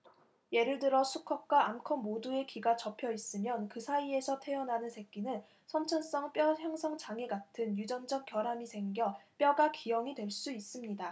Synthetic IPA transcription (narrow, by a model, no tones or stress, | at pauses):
je̞ɾɯɭdɯɾʌsʰukʰʌk̚k͈waːmkʰʌmːodue̞kiɡat͡ɕʌpʰjʌis͈ɯmjʌnkɯsʰaie̞sʰʌtʰe̞ʌnanɯnsʰe̞k͈inɯn | sʰʌnt͡ɕʰʌns͈ʌŋp͈jʌjaŋsʰʌŋt͡ɕaŋe̞ɡatʰɯnjud͡ʑʌnd͡ʑʌk̚k͈jʌɾamisʰe̞ŋɡjʌp͈jʌɡakijʌŋidwe̞ɭs͈uis͈ɯmɲida